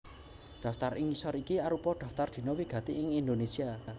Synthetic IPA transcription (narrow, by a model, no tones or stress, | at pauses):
d̪̥a̤ft̪aɾɪŋisɔɾikiaɾupɔɖ̪̥ä̤ft̪ard̪̥i̤nɔwiɡ̥ä̤t̪iɪŋind̪onesia